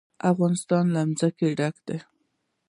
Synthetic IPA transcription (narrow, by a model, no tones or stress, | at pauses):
afɣɑnɪst̪ɑnlamzəkeɖakd̪̥e